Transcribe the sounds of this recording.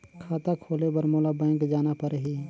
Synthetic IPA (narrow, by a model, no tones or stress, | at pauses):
kʰaːt̪akʰoːlebəɾmoːlabɛ̃ːŋkd͡ʒaːnapəɾɦiː